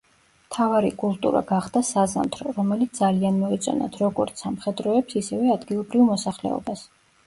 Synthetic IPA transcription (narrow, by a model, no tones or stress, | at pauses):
mt̪ʰavaɾikʼulˠt̪ʼṵɾa̰ɡaχd̪asaza̰mt̪ʰɾɔɾɔmɛlit̪s̚d̪alianmɔɛt̪sʼɔ̰na̰t̪ʰɾɔɡɔɾt̪sʰamχɛd̪ɾɔɛpsisɛvɛad̪ɡilˠɔbɾivmɔsaχlɛ̰ɔ̰bas